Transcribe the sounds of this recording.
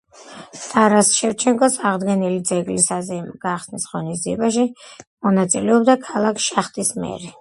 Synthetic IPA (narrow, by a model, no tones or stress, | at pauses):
t̪ʼaɾasʃɛft͡ʃʰɛŋkʼɔsaʁd̪ɡɛnilid̪zɛɡlisazɛmɡ̥aχsnisʁɔnizd̪iɛbaʃimɔnat̪sʼilɛɔbd̪akʰalˠakʰʃaχt̪ʼismɛ̰ɾɛ